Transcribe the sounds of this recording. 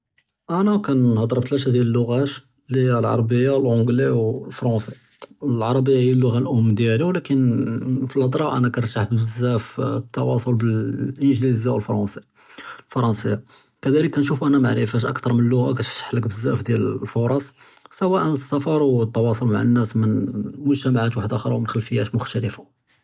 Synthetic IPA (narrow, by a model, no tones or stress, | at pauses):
ʔænækænhɑd̪ˤɾˤəb̚t̪læʃ̬æd̪jæləlːʊɣæʃ | liælʕɑ̰ɾˤɑbəjːawəlʕõɡliwlfɾˤɑ̃si | lʕɑɾˤɑbəjːahijːælːʊɣalʔʊmːd̪jæliwlækənfilhɑd̪ˤɾˤɑʔæ̰nækænɾt̪aħbəzːæft̪ːɑwɑsˤolbəlʔənʒlizæwəlfɑɾˤɑsi | lfɑɾˤɑnsəjːa | kæd̪æləkːænʃufʔænæmaʕɾəfæʃʔə̰kt̪ɑɾˤmənəlːʊɣakæt̪ɾt̪ːḁħləkbəzːæfd̪jællfoɾˤɑsˤsəwæʔənəsːæfɑɾˤwt̪ːɑwɑsˤolma̰ʕa̰nːæsmənmʊʒt̪æmaʕat̪waħəd̪ʔæxɾˤɑwmənxəlfəjːæt̪mʊxt̪æləfa